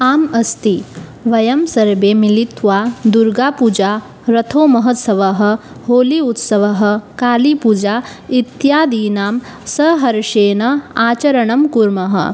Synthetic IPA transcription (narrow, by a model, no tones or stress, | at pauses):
aːmɐst̪iʋɐjɐmsɐɾbeːmilit̪ʋaːd̪uɾɡaːpud͡ʒaː | ɾɐt̪ʰoːmɐɦɐt̪sɐʋɐɦɐ̆ | ɦoːliut̪sɐʋɐɦɐ̆kaːlipuːd͡ʒaːit̪jaːd̪iːnaːm | sɐɦɐɾʃeːnɐaːt͡ʃɐɾɐɳɐmkuɾmɐɦɐ̰